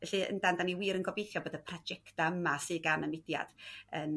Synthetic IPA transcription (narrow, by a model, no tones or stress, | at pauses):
vɛɬɨə̰ndandaniwiːɾənɡɔbejθjɔboːdəpʰrad͡ʒɛktaəmasɨːɡanənɪdja̰d̥ən